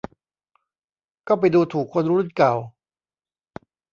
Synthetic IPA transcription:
kɔː˥˩pa˧jduː˧t̪ʰuː˨˩kʰːo˧nɾuː˦˥u˥˩nkaː˨˩w

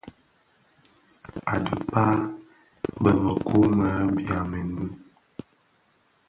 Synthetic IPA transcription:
a˨də˨paː˦ | bə˨mə˨kʰu˦mə˨˦bja˨me˨n˦bʉ˦

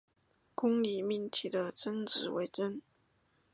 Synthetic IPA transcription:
kʊ˥ŋli˨˩mi˥˩nt̪ʰi˥˩d̪ə˧ʈ͡ʂə˥nʈ͡ʂɻ̩˨˥we˧˥ɪʈ͡ʂə˥n

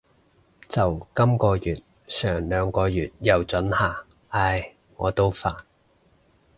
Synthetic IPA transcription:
t͡sɐ˨wkɐ˥mkɔː˧jyː˨˩t̚ | sœː˨˩ŋlœː˨˧ŋkɔː˧jyː˨t̚jɐ˨wt͡sɵ˨˥nhaː˨˩ | aː˧˩j | ŋɔː˨˧t̪o˥wfaː˨n

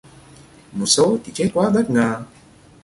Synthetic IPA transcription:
mo˨˩t̚so˨˦t̪ʰi˨˩t͡ɕe˦˥t̚kwaː˨˦və˦˥t̚ŋaː˧˩

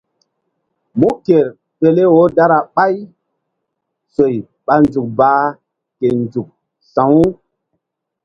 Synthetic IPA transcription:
mu˦ke˨ɾ | pe˨le˦wo˦da˦ɾa˨ɓa˦j | so˨j | ɓa˨nzu˨k̚baː˨˦ | ke˨nd͡ʒu˨k̚ | sã˨˦w

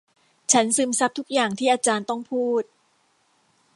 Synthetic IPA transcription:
t͡ɕʰa˦˥nsɯ˧msa˦˥p̚t̪ʰu˦˥k̚jaː˨˩ŋt̪ʰiː˥˩ʔaː˧t͡ɕaː˧nt̪ɔ˥˩ŋpʰuː˥˩t̪̚

